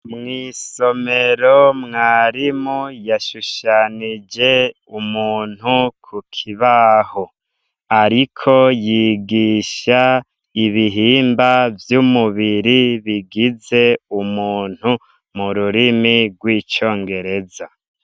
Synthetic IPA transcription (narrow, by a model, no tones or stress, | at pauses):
mŋiːsome̞ɾomŋaːɾimojaʃuʃanid͡ʒe̞ | umuːn̥hukʰukʰiβaho | aɾikʰo̞jiːɡiʃa | iβiɦiːmbavjumuβiɾiβiɡize̞umuːn̥hu | muɾuɾimiɡwiːt͡ʃo̞ːŋɡe̞ɾe̞za